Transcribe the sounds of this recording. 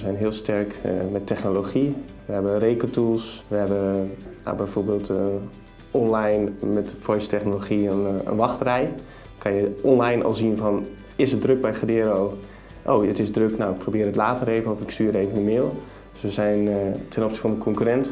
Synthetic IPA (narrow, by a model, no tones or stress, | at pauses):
əzɛjnɦɪːlˠstɛrkmɛtʰːɛxnoloχiʋəɦɛbənrejkətulˠsʋəɦɛbəja̰bɛjvoːɹbeːlˠt | ɔnlajnmɛtfɔjstɛχnoloχiənə̰nʋɑxtərɛj | kʰɑnjəɔnlajnʔɔ̰lˠzinvɑn | ɪsədrøk̚bɛjχədɪːɾo | ʔo̰wətɪsdrøknawɪk̚pʰrowbɪːɾətlaːtəɾejvənɔfɪkstyːəteːvənəmɪːlˠ | d̥sʋəzɛjntɛnɔpsifɑnənkʰɔŋkyɾɛnt